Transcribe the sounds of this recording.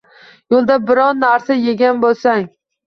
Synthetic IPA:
jolˠd̪abɪɾɒnːaɾsajeɡʲanbolˠsaŋ

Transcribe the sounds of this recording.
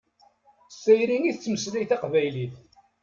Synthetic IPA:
sæjɾiniθət͡sːməslæjθæqvæjliθ

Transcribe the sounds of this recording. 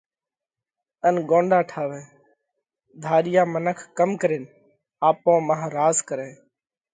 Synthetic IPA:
ənɡõːɳɖaːʈʰaːʋẽː | d̪ʱaːɗɪjaːmənəkʰkəmkəɾeːn | aːpõːmaːɦɾaːzkəɾẽː

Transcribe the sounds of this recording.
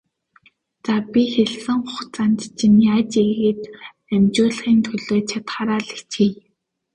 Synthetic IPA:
t͡sapʲixeɮsɘ̆ŋχʊχt͡sant̪t͡ɕinjaːt͡ɕeɣeːt̪ | æmt͡ɕoːɮ̆χiːnt̪ʰɵɮoːt͡ɕʰat̪χaːɾaːɮi̥xt͡ɕxiːj

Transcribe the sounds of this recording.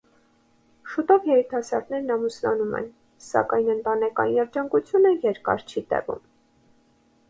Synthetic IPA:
ʃut̪ɔvjɛɾit̪ʰɑsɑ̰ɾt̪nɛɾnɑmuslɑnumɛ̰n | sɑ̰kɑjnənt̪ɑnɛkɑ̰jinɛɾd͡ʒɑŋkut͡sʰjunəjɛɾkɑ̰ɾt͡ʃʰit̪ɛ̰vṵm

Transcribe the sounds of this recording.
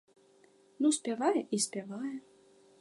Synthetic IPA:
nusʲpʲavajɛʔisʲpʲavajɐ

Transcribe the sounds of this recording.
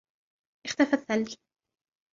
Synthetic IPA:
ʔɪxt̪afaθːalːi

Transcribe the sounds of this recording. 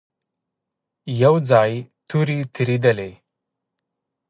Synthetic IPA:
jəwd͡zajt̪ʰuɾit̪ʰiɾid̪ele

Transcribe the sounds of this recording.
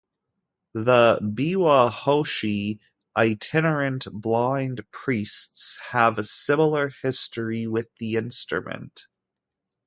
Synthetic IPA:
ðəbiwəhoʊʃi | ʔaɪtʰɪnə˞ɨ̃ntb̥lãɪ̃ndpʰɹ̥istshəvɨsɪ̃ml̩ˠə˞hɪstiwɪðiɪ̃nstɹ̥ə̰mɨ̰̃nt

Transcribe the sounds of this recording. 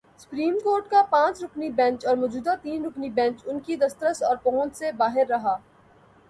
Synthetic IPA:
sʊ̥pɾiːmkoːɾʈkapãːt͡ʃɾʊknibɛ̃nt͡ʃɔːɾmɔːd͡ʒuːd̪at̪iːnɾʊknibɛ̃ːnt͡ʃʊnkid̪ɐst̪ɾəsɔːɾpɔːʊ̃nt͡ʃsebaːɦɪɾːɐɦaː

